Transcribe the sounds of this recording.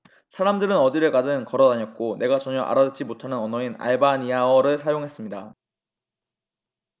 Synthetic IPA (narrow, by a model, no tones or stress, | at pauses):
sʰaɾamdɯɾɯnʌdiɾɯɭkadɯnkʌɾʌdaɲʌk̚k͈one̞ɡat͡ɕʌɲʌʔa̰ɾadɯt͡ɕ͈imotʰanɯnʌnʌina̰ɭbaɲiaʌɾɯɭsʰajoŋɦe̞s͈ɯmɲida